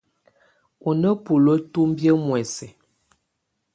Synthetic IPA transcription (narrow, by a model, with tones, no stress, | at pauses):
u˨nə˦pu˨lo˦tu˦m˦bjə˦mwɛ˨sɛ˨